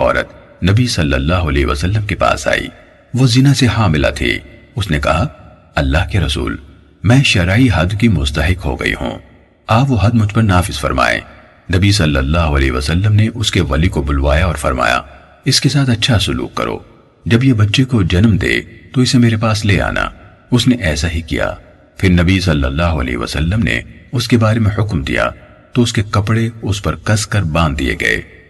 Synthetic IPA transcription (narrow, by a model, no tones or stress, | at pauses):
ɔ̰ːɾə̰t̪ | nɐbisɐlːəlːaːɦʊɐleːɦʋɐ̰sɐlːəmkepa̰ːsa̰ːḭː | ʋozɪnasehãːmɪla̰t̪ʰḛː | ʊsnekɐɦa | ɐlːaːɦkeɾɐsṵːl | mɛ̃ːʃɐɾaːiɦɐd̪kimʊzt̪ɐɦɪkɦo̰ɡɐ̰ḭɦṵ̃ː | aːpʋoɦɐd̪̚mʊd͡ʒʱpɐɾnaːfɪz̥fɐ̰ɾma̰ːḛ̃ː | nɐbisɐlːəlːaːɦoɐleːɦʋɐsəlːəmneʔʊskeʋɐlikobʊlʋa̰ːjaɔːɾfɐ̰ɾma̰ːja̰ | ɪskesaːt̪ɐtːʃʰasʊlṵːkːɐ̰ɾʔo̰ː | d͡ʒɐbjebɐtːʃekod͡ʒɐnmd̪ḛːt̪oɪsemeːɾepaːsleːa̰ːnʔa̰ | ʊsneʔɛːsaɦikḭja̰ː | pʰɪɾnɐbisɐlːəlːaːɦoɐ̰lɛ̰ːɦʋɐ̰səlːəmnḛʊskebaːɾemẽhʊkmd̪ḭja̰ | t̪oʊskekɐpɽeʊspɐɾkɐskɐɾbãːnd̪̚ːiḛɡɐ̰ḛː